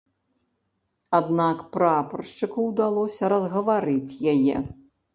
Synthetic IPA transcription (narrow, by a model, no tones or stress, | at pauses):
ad̪nakpɾɐapɐrʂt͡ʂɨkuwd̪alˠɔsʲɐɾɐzɣɐvaɾɨt͡sʲjajɛ̰